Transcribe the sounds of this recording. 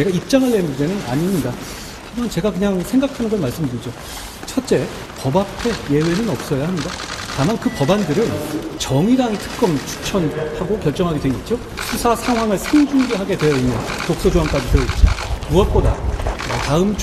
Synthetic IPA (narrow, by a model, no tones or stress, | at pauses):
ne̞ɡaip̚t͡ɕ͈aŋɯɭːenːundenɯna̰ɲiamɲida | tamant͡ɕe̞ɡakɯɲaŋsʰe̞ŋɡakʰanɯnɡʌɭmaɭs͈ɯmdɯɾid͡ʑo | t͡ɕʰʌt͡ɕ͈e̞ | pʌbapʰe̞je̞we̞nɯnʌp̚s͈ʌjahamɲidatamankɯpʌbandɯɾɯnt͡ɕʌŋiɾaŋtʰɯ̥k̚k͈ʌmt͡ɕʰu̥t͡ɕʰʌnhaɡokjʌɭt͡ɕ͈ʌŋɦaɡeweɲet̚t͡ɕ͈jo | sʰusʰasʰaŋɦwaŋɯɭsʰeŋd͡ʑuŋɡeɦaɡe̞dwe̞jʌinːɯntok̚s͈ʌd͡ʑoɦaŋk͈ad͡ʑiteʌit̚t͡ɕ͈imuʌt̚p͈oda̰ʌtaɯm